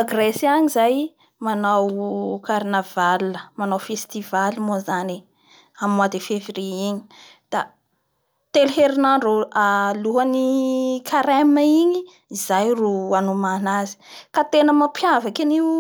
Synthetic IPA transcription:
aɡresaɲizaj | manawkaɾnavalːəmanawfest̪ivalimuzani | amad̪efevriiɲi̥ | d̪̥a | t̪elɦeɾinaɳɖ͡ʐoaluɦanikʰaɾemaiɲiː | zajruanumanazi̥kat̪enəmapʰjavakaniw

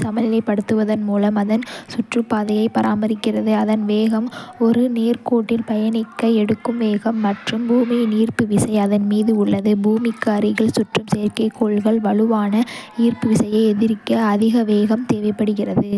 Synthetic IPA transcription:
sɐmɐlɪlɐɪpːɐɽɯt̪ːɯʋɐðɐnmuːlɐmɐðɐnsʊʈrɯpːaːðɐjɐɪpɐɾʔaːmɐɾɪkːɪrɐðɯɐðɐnʋeːɣɐmɔɾɯneːrkoːʈːɪlpɐjɐnɪkːɐɛɽɯkːɯmʋeːɣɐmːɐʈrɯmbuːminiːrpɯʋɪsɐɪɐðɐnmiːðɯʊɭːɐðɯbuːmɪkːaːɾɪɣɐɭsʊʈrɯmseːɾkɐɪkːoːɭɣɐɭʋɐɭɯʋaːnɐniːrpɯʋɪsɐjɐɪɛðɪɾɪkːɐɐðɪɣɐʋeːɣɐmt̪eːʋɐɪpːɐɽɯɣɪrɐðɯ

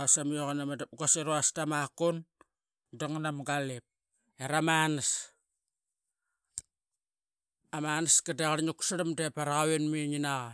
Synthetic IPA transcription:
asamioɣanamadɡaseɾoastamakon | daŋnamɡalep̚ | eɾamanas | amanaskadeɣaɾɲuku̥saɾamdepaɾaɣaβenmiɲinaɣa

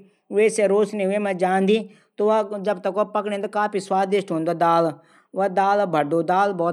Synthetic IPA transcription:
ʋeːseɾoːsnẽʊeːmɛ̃ːd͡ʒaːnd̪iː | t̪oːʋad͡ʒəbt̪əkːaːpəkɽẽːnd̪okaːpʰiːswaːd̪ɪʃʈɦõːnd̪oːd̪aːl | ʋaːd̪aːlbʱəɽd̪oːd̪aːlbɔːt̪

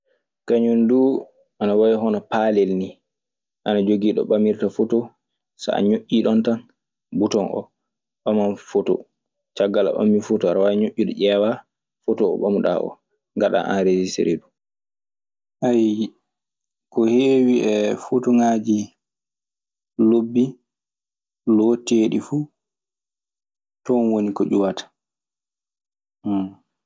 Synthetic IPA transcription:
kaɲunduː | ʔanawawɛɦɔnɔpalɛlni | ʔanad͡ʒoɡiːɗɔ̰ɓamiɾtafoto | sa̰a̰ɲoʔʲːiɗɔntan | butɔnʔɔ̰ | ɓamanfoto̰ | t͡ʃaɡːala̰ɓa̰mːifotɔaɾawaɲoʔʲːiɗɔʔɛːwa | fotɔɔ̰ɓamuɗa̰ʔɔ̰ | ŋɡaɗa̰ʔa̰nɾed͡ʒisḛɾʔeɗu | ʔaj | kɔheːwiʔɛfotuŋaːd͡ʒi | lobːi | lɔteːɗifu | tɔnwonikɔd͡ʒuwatḁ

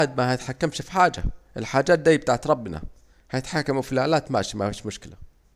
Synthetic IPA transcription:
d̪̚mahat̪ħakːamʃfiħaːd͡ʒa̰ʔɪlħaːd͡ʒaːt̪̚d̪ajːb̚t̪aːʕt̪ɾˤɑbːna̰ | hajɪt̪ħakːamafilaːlaːt̪ma̰ːʃimafiːʃmʊʃkɪla

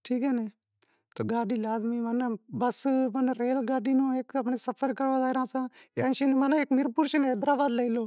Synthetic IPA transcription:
ʈʰiːkɛːneː | t̪oːɡaːɖiːlaːd̪miːʋənbəsʋənɾeːlɡaːɖiːnõːeːkəpɳeːsəpʰəɾkəɾʋaːd̪aːɾãːsãːeə̃ːʃiːnːmanːeːkmɪɾpuːɾʃəneːd̪ɾaːbaːd̪leiloː

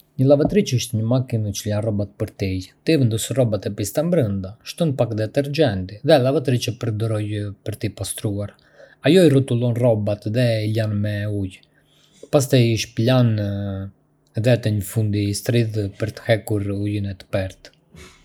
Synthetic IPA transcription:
ɲəlˠavat̪ɾit͡ʃəəʃt̪ɲəmakinət͡ʃəlanrɔbat̪̚pəɾt̪it̪ivɛnd̪ɔsrɔbat̪ɛpist̪ambɾənd̪aʃt̪ɔnpakd̪ɛt̪ɛɾd͡ʒɛnt̪iðɛlavat̪ɾit͡ʃəpəɾd̪ɔɾɔjpəɾt̪ipast̪ɾuaɾ | ajɔirut̪ulˠɔnrɔbat̪ðɛilanmɛuj | pas̬t̪ɛjiʃplan | ðɛt̪ɛɲəfund̪ist̪ɾiðpəɾt̪ə̥hɛkuɾujinɛt̪ə̥pɛɾt̪

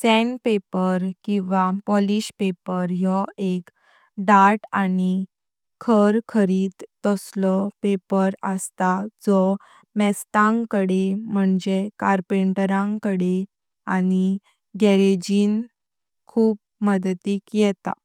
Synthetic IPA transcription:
sɛnpepəɾkĩʋapɔliɕpepəɾjɔek | ɖaɾʈani | kʰəɾkʰəɾiːt̪ːɔslɔpepəɾəst̪ad͡zɔ | mɛst̪ãŋkəɽem̤əɳd͡ʑekaɾpeɳʈɾãŋkəɽe | ani | ɡɛɾed͡ʑiːn | kʰuːp̚ | məd̪t̪iːkjɛt̪a̰

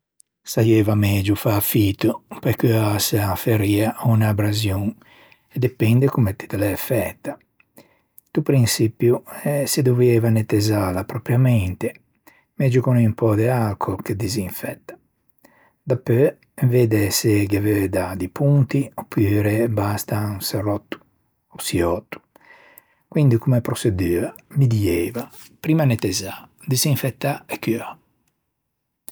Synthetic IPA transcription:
sajevamɛd͡ʒufafit̪upajkøasafeɾiːaunabɾazjuŋ | ɛd̪ɛpɛnd̪ekumet̪ːi̥t̪alɛfɛt̪ːa | t̪upɾinsipjuɛsed̪oveːvanet̪ezalapɾɔpɾjamɛnt̪e | mɛd͡ʒukɔnimpɔd̪ealkʰoked̪iziɱfɛt̪ːḁ | d̪apːø | veːd̪ɛseɡevɛd̪ad̪ipunt̪iopʰːyːɾebast̪anserɔt̪ːu̥ | ɔsiɔt̪ːu̥ | kwind̪ikumepɾosed̪yːamid̪iɛva | pɾiːmanet̪ɛzad̪iziɱfɛt̪ːaɛkːya

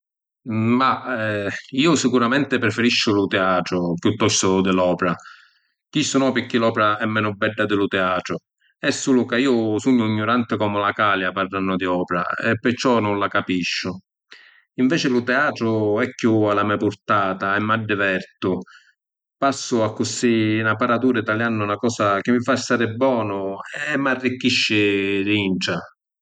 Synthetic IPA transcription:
ma | iːʊsikuɾamɛnt̪ɪpɾɛfɪɾiʃːʊlʊt̪ɛaːt̪ɾʊpjut̪ːɔst̪ʊd̪ɪlɔːpeɾa | k̟isːunɔːpɪkːɪlɔːpɾaɛmːɛːnʊbːɛɖːad̪ɪlʊt̪ɛaːt̪ɾʊ | ɛsːulʊkaiːʊsuɲːʊiɲːʊɾant̪ɪkɔːmʊlakaːljaparːanːʊd̪iɔːpeɾa̰ɛ̰pːɪɾt͡ʃːɔnʊnlakapiʃːʊ | iɱvɛːt͡ʃɪlʊt̪ɛaːt̪ɾʊɛkːualamɛapʊɾt̪aːt̪aɛmːaɖːɪvɛɾt̪ʊ | pasːʊakːʊsiːnapaɾat̪uːɾait̪aljanːʊnakɔːsak̟ɪmːifaɛst̪aːɾɪbːɔːnʊɛmːarːikːiʃːɪɾiɳʈa

